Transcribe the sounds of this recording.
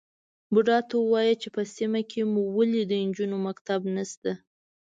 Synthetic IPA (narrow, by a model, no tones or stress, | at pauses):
bʊɖɑt̪owɑjət͡ʃepəsimakʰemuwəlid̪ənd͡ʒunomakt̪abnast̪a